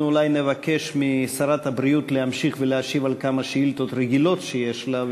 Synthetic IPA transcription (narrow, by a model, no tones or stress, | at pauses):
ulajnevake̞ʃmisaɾat̪habɾijut̪leamʃiχveleaʃivalkamaʃeilt̪ot̪ɾeɡilo̞t̪ʃejeʃlav